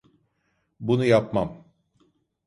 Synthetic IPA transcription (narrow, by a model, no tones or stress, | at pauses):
bunujapmam